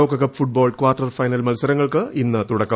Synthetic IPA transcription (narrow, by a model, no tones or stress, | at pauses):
ɐwkːɐkːɐpfuʈ̚boːɭɖkʋaːrʈːɐrfɐjnɐlmɐlusɐɾɐŋːɐɭkɨʔinːɨt̪uɽɐkːɐ